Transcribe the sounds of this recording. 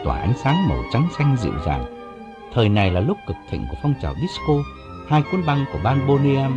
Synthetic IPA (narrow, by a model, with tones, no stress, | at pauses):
t̪wa̰ː˧˩ʔa̰˨˦jŋ̟saː˨˦ŋmə˨˩wt͡ɕa˨˦ŋsa˧jŋ̟zḭ˧˨wza̰ː˨˩ŋ | t̪ʰəː˨˩jna˨˩jlaː˨˩lʊ˦˥k͡p̚kɨ˨˩k̚t̪ʰḭ˧˨ŋ̟ku˧˩əfɔ˧wŋ͡mt͡ɕaː˨˩wɗi˦˥sko˧ | haː˧jki˨˦ənɓa˧ŋku˧˩əɓaː˧nɓo˧ni˧ɛ˧m